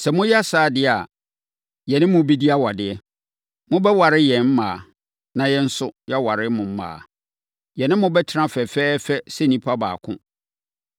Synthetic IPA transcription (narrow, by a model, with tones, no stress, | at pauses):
sɛ˨mʊ̃˦jɛ˦a˦saː˦˨dɪ˨˦˨a̰˨ | jɛ˨nɪ̃˦mʊ̃˦bi˦di˦a˦wa˨dɪ˨ɛ˦ | mʊ̃˦bɛ˦wa˨ɾɪ˦jɛ̃˨m̩˦mãː˨ | nã˨jɛ˦n̩˦sʊ˦jɛ˦wa˨ɾɪ˦mʊ̃˨m̩˦mã̰ː˨ | jɛ˨nɪ̃˦mʊ̃˦bɛ˦tʰnã˦fɛ˨fɛː˦fɛ˦sɛ˦nĩ˦pʰa˦ba̰ː˨kʰʊ̰̃˦